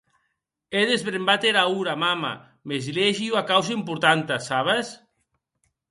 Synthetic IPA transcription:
eðezβɾembat̪eɾauɾamama̰ | mezileʒiuakaws̬aimpuɾt̪ant̪asaβ̞as

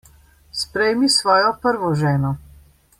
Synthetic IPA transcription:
spɾɛjmisʋɔːjɔpəɾʋɔʒɛːnɔ

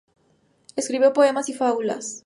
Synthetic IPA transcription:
eskɾiβjopoemasifaβula̰s

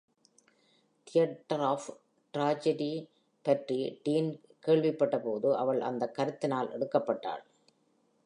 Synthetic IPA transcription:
t̪ʰɪjɐʈːɐɾaːf | ʈɾaːd͡ʒɐɖi | pɐʈriɖiːn | keːɭʋɪpːɐʈːɐpoːðɯʔɐʋɐɭʔɐ̰nd̪ɐkːɐɾɯt̪ːɪnaːlʔɛ̰ɽɯkːɐpːɐʈːa̰ːɭ

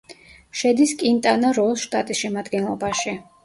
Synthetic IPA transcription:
ʃɛd̪iskʼint̪ʼanaɾɔlˠʃt̪ʼat̪ʼisʃɛmad̪ɡɛnlˠɔ̰baʃi

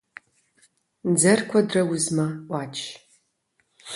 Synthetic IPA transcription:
d͡zɐrkʷʰɐdrɐwʊzmaʔʷaːt͡ʃʰʼ

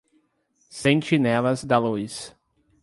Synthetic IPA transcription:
sẽt͡ʃinɛlɐzd̪ɐlujs

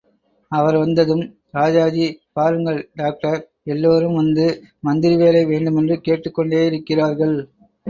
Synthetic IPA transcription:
ɐʋɐɾʋɐnd̪ɐðɯm | ɾaːd͡ʒaːd͡ʒipaːɾɯŋɡɐɭɖaːk̚ʈɐɾ | ɛlːoːɾɯmʋɐnd̪ɯmɐnd̪ɪɾiʋeːlɐɪʋeːɳɖɯmɛndrɯkeːʈːɯkːɔɳɖeːjɪɾɯkːɪraːɾɣɐɭ

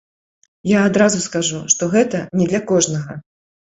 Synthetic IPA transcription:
jaːd̪ɾazuskaʐuʂt̪ɔɣɛt̪ɐnʲɛd̪lʲɐkɔʐnɐɣɐ

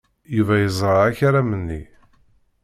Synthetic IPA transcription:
juvæjəzˤɾˤɑæçaɾæmənːḭ

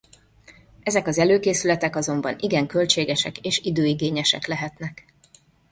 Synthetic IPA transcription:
ɛzɛkɒzɛløːkeːsylɛt̪ɛkɒzo̞mbɒniɡɛŋkø̞lt͡ʃeːɡɛʃɛkeːʃid̪øːiɡeːɲɛʃɛ̰klɛɦɛt̪nɛk

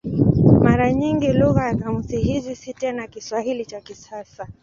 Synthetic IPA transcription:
maɾaɲiŋɡiluɣajakamuziɦizisitɛnakiswahilit͡ʃakisasa

